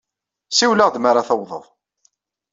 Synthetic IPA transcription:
siwləʁd̪maɾˤaθəwðˤə̰ðˤ

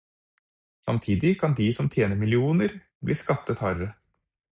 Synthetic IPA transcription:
sɑ̰mt̪ʰiːd̪ɪkʰɑnd̪iːsɔmt̪ʰjeːnəmɪlɪuːnəɾ | blḭːskɑt̪ːət̪hɑɾə

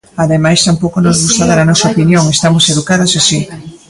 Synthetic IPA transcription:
aðemajst̪ampowkonozɣust̪aðaɾanɔsɐopinjoŋest̪amoseðukaðosasi

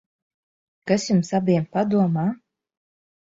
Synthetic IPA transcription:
kasʲjumsabiɛmpad̪uɔmaː

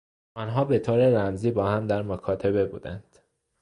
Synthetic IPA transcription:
ʔɒːnɦɒːbe̞t̪ʰoːɾeɾæmziːbɒːhæmd̪æɾmokʰɒːt̪ʰe̞βe̞bṵːd̪ænd̪̥

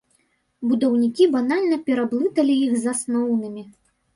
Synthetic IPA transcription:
bud̪ɐwnʲikʲibanalʲnɐpʲɛɾablˠɨt̪ɐlʲijixzasnɔwnɨmʲi

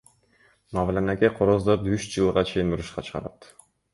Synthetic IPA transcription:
mɑvlenekeqʰoɾozd̪od̪yʃd͡ʒɯlˠʁɑt͡ʃʰe̞jinuɾuʃqɑt͡ʃʰɯ̥ʁɑ̰ɾɑ̰t̪

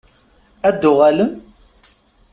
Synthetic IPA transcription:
æd̪ːʊʁæləm

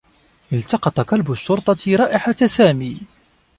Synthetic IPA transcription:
ʔɪlt̪ɑqɑt̪ˤɑqɑlbʊʃːʊɾˤt̪ˤɑɾˤɑːʔɪħasaːmiː

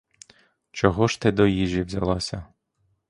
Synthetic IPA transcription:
t͡ʃɔɦɔʃt̪ɪd̪ɔjiʒiwzʲɐlˠɑsʲɐ

